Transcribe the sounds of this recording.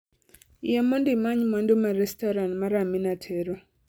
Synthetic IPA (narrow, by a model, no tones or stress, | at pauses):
jamɔndɪmaɲmandomaɾɛstɔɾanmaɾaminatʰɛɾɔ